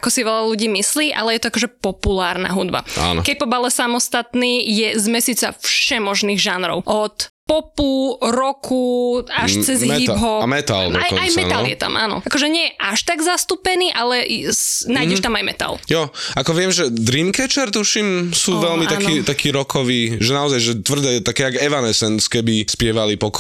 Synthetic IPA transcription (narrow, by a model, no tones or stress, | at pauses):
akɔsiʋɛʎaluɟiːmisliːʔalɛjɛt̪ɔakɔʒɛpɔpulaːɾna̰ɦud̪ba̰a̰nɔ̰kɛc̚pɔbalɛsamɔst̪at̪niːjɛzmɛsiːt͡safʃɛmɔʒniːɣʒanɾɔ̰ʊʔɔt̪pɔpuɾɔkʰuaʃt͡sɛzɦɛibɦɔmɛt̪a̰lajajmɛaljɛ̰t̪a̰mʔa̰ːnɔ̰akɔʒɛɲɪɛjɛʔaʃt̪aɡzast̪upɛniːʔalɛsnaːjɛʃt̪amajmɛ̰t̪a̰ljɔakɔʋɪɛmʒɛd̪ɾimkɛt͡ʃɛɾt̪uʃimsuːʋɛlmit̪akniːt̪akʰiːɾɔkʰɔʋiːʒɛnaɔzajʒɛt̪ʋr̩d̪ɛːjɛt̪akɛːaɡɛʋanɛsɛnskɛbispɪɛʋalipɔk